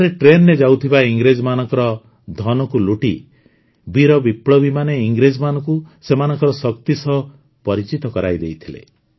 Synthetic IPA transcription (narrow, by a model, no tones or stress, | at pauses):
ɾeʈɾenːed͡ʒawt̪ʰibaiŋɡɾed͡ʒmanɔ̃ŋkɔɾɔ | d̪ʱɔnɔkuluʈi | biɾɔbipɽɔbimaneiŋɡɾed͡ʒmanɔ̃ŋkusemanɔ̃ŋkɔɾɔsɔkt̪isɔɦ | pɔɾit͡ʃit̪ɔkɔɾa̰jd̪ejt̪ʰilḛ